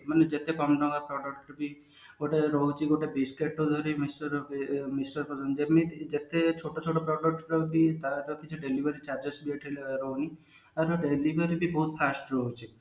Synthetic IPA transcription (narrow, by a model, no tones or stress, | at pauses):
maned͡ʒet̪ekɔmdɔŋɡapɾɔɖɔk̚ɾɔbi | ɡoʈeɾɔɦut͡ʃʰiɡoʈebiskeʈːod̪ʱɔɾimisʈɔɾmisʈɔɾpɔsɔnd͡ʒemid͡ʒet̪et͡ʃʰoʈot͡ʃʰoʈɔpɾɔɖɔk̚ʈɾɔbit̪aɾɔkit͡ʃʰuɖelibeɾit͡ʃaɾd͡ʒɔsbieʈʰileɾɔɦuni | aɾuɖelibeɾibibɔɦut̪pʰasʈɾɔɦut͡ʃʰi